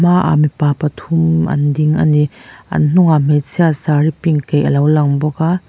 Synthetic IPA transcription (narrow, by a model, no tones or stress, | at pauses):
maʔa̰mipaːpɐt̪ʰʊmʔɐ̰ndiŋʔɐ̰niʔɐ̰nn̥ʊŋam̥et͡sʰiasaɾipiŋkejʔɐlɐwlɐŋbɔka